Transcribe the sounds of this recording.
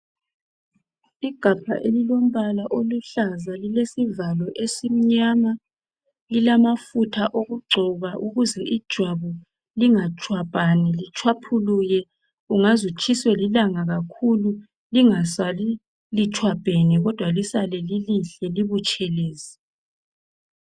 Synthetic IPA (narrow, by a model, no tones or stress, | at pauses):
iɡ̥ʱapʰa̰ʔelilom̩βalaʔoluɬazalilesivalɔʔesim̩ɲama | lilamafutʰaʔoɣuɡ͡ǀʱɔɣaʔuɣuzɛʔid̥ʒ̥ʱwaβu | liŋat͡ʃʰʼwapʼanɛlit͡ʃʰʼwapʰulujɛ | uŋazut͡ʃʰʼiswɛlilaŋaɣakʰulu | liŋasali | lit͡ʃʰwab̥ʱenɛɣɔd̥ʱwalisalɛliliɬɛliβut͡ʃʰʼɛleːsɛ̥